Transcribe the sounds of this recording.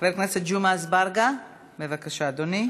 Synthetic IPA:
veɾknesed͡ʒumazbaɾɡa | mevakaʃaːd̪oni

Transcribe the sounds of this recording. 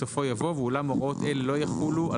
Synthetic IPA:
ofo̞javo̞vulamoʁo̞t̪elelo̞jaχuluʔa

